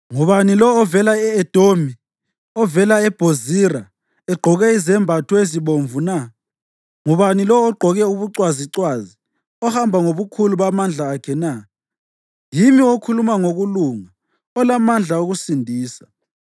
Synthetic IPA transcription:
ŋuβanilɔːvɛlaɛɛd̥ʱomi | ɔvɛlaɛb̥ʱozira | ɛɡ͡ǃʱɔɣɛizɛmbʱatʰɔeziβoɱvuna | ŋuβanilɔːɡ͡ǃʱɔɣɛuβuǀwaziǀwazi | ɔhambʱaŋoβukʰuluβamand͡ɮʱaːkʰɛna | jimiokʰulumaŋoɣuluŋa | ɔlamand͡ɮʱaoɣusindʱiːsḁ

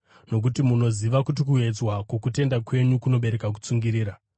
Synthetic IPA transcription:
no̞k̬utimuno̞ziʋakut̬ikue̞d͡zwakokute̞ndakwe̞ɲukuno̞ɓe̞ɾe̞kak̬u̥t͡suŋɡiɾiːɾa

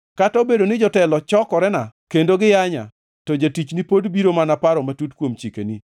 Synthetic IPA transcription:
kataobedonɪd͡ʒɔtɛlɔt͡ʃɔkɔɾɛnakendoɡɪjaɲa̰ | tɔd͡ʒatit͡ʃnipodbiɾomanapaɾɔmatutkwomt͡ʃikḛni

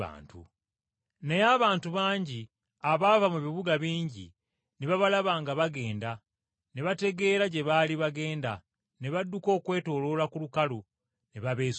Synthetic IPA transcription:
a̰ːntṵ | nejaβaːntuβaːɲɟi | aβavamuβiβuɡaβiːɲɟḭ | neβaβalaβaːŋɡaβaɡe̞ːnda | ne̞βate̞ɡe̞ːɾaɟe̞βaːliβaɡe̞ːnda̰ | ne̞βadːuko̞ːkwe̞ːto̞ːlo̞ːlakulukalu | neβaβe̞ː

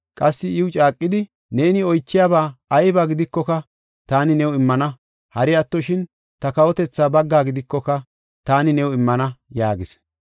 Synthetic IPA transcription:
kʼɐsːɪɪwʊt͡ʃʼaːkʼːɪd̪ɪ | ne̞ːnɪɔjt͡ʃːɪjaːbaːɐjbaːɡɪd̪ɪkːɔkɐ | t̪aːnɪnɛwɪmːɐnɐ | hɐɾɪɐt̪ːɔʃɪn | t̪ɐkɐwɔt̪ɛt͡sːaːbɐɡːaːɡɪd̪ɪkːɔkɐ | t̪aːnɪnɛwɪmːɐnɐjaːɡɪs

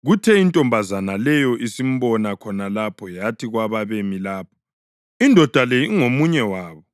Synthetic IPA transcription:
ɣutʰɛintʼɔmbʱazanalɛjɔʔisim̩βɔnakʰɔnalapʰɔjatʰiɣwaβaβemilaːp̚ʰɔ̥ | indʱɔd̥ʱalejiŋomuɲɛwaːβɔ

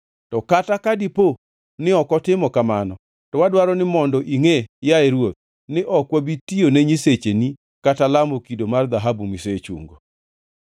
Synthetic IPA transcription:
tɔkatakadipo | nɪɔkɔtɪmɔkamanɔ | tɔwadwaɾɔnɪmɔndɔʔiŋejaeɾwot̪̚ | nɪʔɔkwabitioneɲiset͡ʃeni | katalamokidomard̪aɦabumiset͡ʃṵŋɡo

